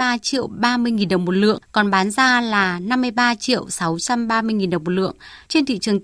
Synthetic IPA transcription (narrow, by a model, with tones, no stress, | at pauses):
aː˧t͡ɕḭ˧˨əwɓaː˧mɨ˧əjŋi˨˩nɗə˨˩wŋ͡mmo˨˩t̚lɨ̰˧˨əŋkɔ˨˩nɓaː˨˦nzaː˧laː˨˩na˧mːɨ˧əjɓaː˧t͡ɕḭ˧˨əwsa˨˦wt͡ɕa˧mɓaː˧mɨ˧əjŋi˨˩nɗə˨˩wŋ͡mmo˨˩t̚lɨ̰˧˨əŋt͡ɕe˧nt̪ʰḭ˧˨t͡ɕɨ˨˩əŋ